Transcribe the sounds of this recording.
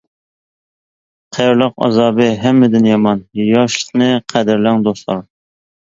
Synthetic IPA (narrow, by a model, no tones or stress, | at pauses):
qʰæjɾlˠəqɑ̰zɑːbɨɦɛmːɪd̪ɪnjɑmɑnjɑʃlə̥snɨqʰæd̪ɪɾlæŋd̪oslˠɑ̰ɾ